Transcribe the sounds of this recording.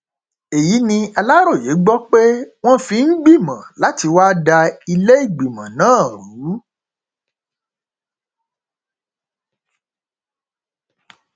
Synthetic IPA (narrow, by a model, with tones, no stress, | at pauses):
e˨ji˨˦nĩ˧a˧la˦ɾo˦˨je˨˦ɡ͡bɔ˦k͡pe˦w̃ɔ̃˦fĩ˧ŋ̩˦ɡ͡bi˦˨mã˨la˨˦ti˧wa˦da˧i˧le˦i˦˨ɡ͡bi˨mã˨nãː˦˨ɾu˨˦